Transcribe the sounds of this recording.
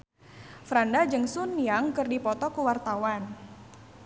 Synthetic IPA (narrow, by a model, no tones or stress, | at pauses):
fɾandad͡ʒəŋsunjaŋkərdipɔt̪ɔkuwart̪awan